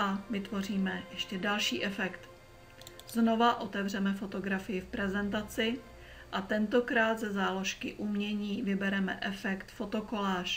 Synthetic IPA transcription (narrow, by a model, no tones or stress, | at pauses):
avɪt̪vo̞riːmɛjɛʃcɛdalʃiːʔɛfɛkt̪ | zno̞vaʔo̞t̪ɛvrɛmɛfo̞t̪o̞ɡɾafɪjɪfpɾɛzɛnt̪at͡sɪ | ʔat̪ɛnt̪o̞kɾaːt̪zɛzaːlo̞ʃkɪʔumɲɛɲiːvɪbɛɾɛmɛ̰ʔɛfɛkt̪fo̞t̪o̞ko̞laːʃ